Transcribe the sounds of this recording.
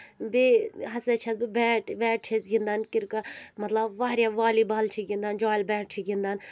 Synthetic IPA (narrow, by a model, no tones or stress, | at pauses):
biɦɐset͡ʃʰɐzbibɛːʈʋɛːʈ̚t͡ʃʰezɡind̪aːnkɪɾkɐmɐt̪lɐbʋaːɾjaʋaːliːbaːlt͡ʃʰiɡʲind̪and͡ʒaːjlbɛːʈ̚t͡ʃʰiɡind̪aːn